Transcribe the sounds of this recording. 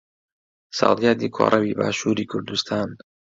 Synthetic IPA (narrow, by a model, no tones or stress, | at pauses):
sɑ̰ːlijaːd̪ikʰo̰ːɾʔɐwiːba̰ːʃuːɾikʰʊɾd̪ust̪ʰaːn